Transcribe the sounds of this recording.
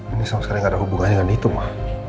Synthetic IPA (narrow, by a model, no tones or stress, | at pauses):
inisamaskaɾiŋadaɦubuŋaɛŋanit̪umah